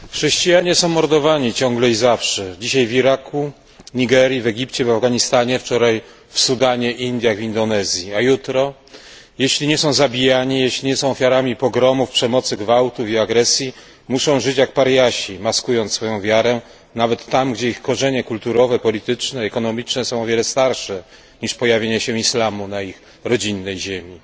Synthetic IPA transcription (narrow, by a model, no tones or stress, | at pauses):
xʂɛɕt͡ɕijaɲɛsɔ̃w̃mɔɾd̪ɔvaɲit͡ɕɔ̃ŋɡlɛizafʂɛd͡ʑiɕajviɾaku | ɲiɡɛɾjivɛɡʲipt͡ɕɛvavɡaɲist̪aɲɛft͡ʂɔɾaj | fsud̪aɲɛʔind̪ʲjaɣvʲind̪ɔnɛzʲjiajut̪ɾɔ | jeɕlʲiɲɛsɔ̃w̃zabʲijaɲijeɕlʲiɲɛsɔ̃w̃ɔfʲjaɾamʲipɔɡɾɔmufpʂɛmɔt̪sɘɡvawt̪ufiaɡɾɛsʲji | muʂɔ̃w̃ʐɘt͡ɕjak̚paɾjaɕimaskujɔnt̪sfɔjɔ̃w̃vʲjaɾɛ | navɛt̪ːamɡd͡ʑɛixkɔʐɛɲɛkult̪uɾɔvɛpɔlʲit̪ɘt͡ʂnɛːkɔnɔmʲit͡ʂnɛsɔ̃w̃ɔvʲɛlɛst̪aɾʂɛ | ɲiʂpɔjavʲjeɲɛɕɛislamunaix | ɾɔd͡ʑinːɛjʑemʲi